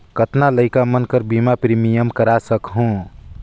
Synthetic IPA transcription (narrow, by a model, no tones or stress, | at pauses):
kət̪naləɪkamənkəɾbimapɾimijəmkəɾasəkɦũ